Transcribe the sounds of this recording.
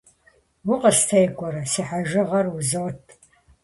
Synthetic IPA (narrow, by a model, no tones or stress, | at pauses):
wʊqɐstʰɐjkʷʼɔɾɐsiːħaʒɪʁɐrwuzɐwtʰʼ